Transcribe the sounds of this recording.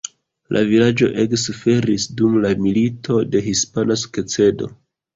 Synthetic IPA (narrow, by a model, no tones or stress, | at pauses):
lʔa̰vilad͡ʒo̞̰ʔe̞ksufe̞ɾisdumlamilitʰo̞de̞ɦispanasket͡se̞do̞̰